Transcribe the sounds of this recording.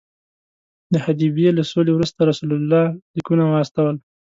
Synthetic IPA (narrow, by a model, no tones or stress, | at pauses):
d̪əhad̪ibijelasolewɾust̪aɾasulalːɑlikunawəast̪awəl